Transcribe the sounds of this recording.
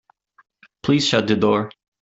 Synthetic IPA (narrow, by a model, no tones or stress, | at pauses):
pʰl̥iz̥ʃʌt̪̚dðɨdɔɹ